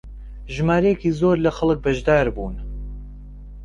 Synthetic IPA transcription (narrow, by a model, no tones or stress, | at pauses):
ʒmaːɾɛjekiːzoːɾlɐxɐlˠɨk̚bɐʒd̪aːɾbuːn